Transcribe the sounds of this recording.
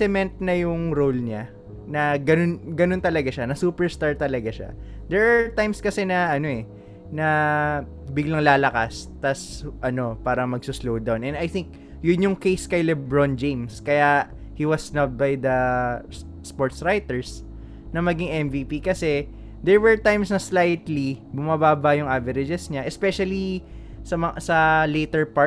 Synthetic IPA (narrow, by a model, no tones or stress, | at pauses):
ɛmɛnt̪̚nɐjʊŋɾolɲa | nɐɡɐnonɡɐno̞nt̪ɐlɐɡaʃanɐsuːpɛɹst̪aɹt̪ɐlɐɡaʃa̰d̪ɛɹʔat̪ajmskɐsɛnɐʔɐno̞ʔɛ | nɐ | bɪɡlɐŋlaːlɐkast̪ɐsʔɐno̞paːɾɐŋmɐɡ̚sʊslowd̪awnʔɛnɐjθɪŋk̚ | jʊnjʊŋkejskɐjlɛbɹond͡ʒejmskɐja | hiwɐsnɐbajd̪ɐ | spoɹt̪sɹajt̪ɛɹs | nɐmɐɡɪŋʔɛmviːpikɐsɛ | d̪ɛɹwɛɹt̪ajmsnɐslajt̪libʊmabaːbɐjʊŋʔavɛɾɪd͡ʒɛsɲaʔɛspɛʃɐli | sɐmɐsɐlejt̪ɛɹpa